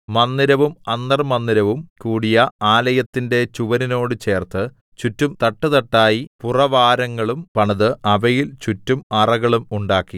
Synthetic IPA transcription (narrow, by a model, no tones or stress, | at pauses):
mɐnːiɾɐʋumɐnd̪ɐrmɐnːiɾɐʋumkuːɽijɐaːlɐjɐt̪ːinde̞t͡ɕuʋɐnino̞ːɽɨt͡ɕe̞ːrt̪ɨ | t͡ɕutːumt̪ɐʈːɨt̪ɐʈːaːjipurɐʋaːɾɐŋːɐɭumpɐɳɐðɨʔɐʋɐjilt͡ɕutːumɐrɐɣɐɭumuɳɖaːkːi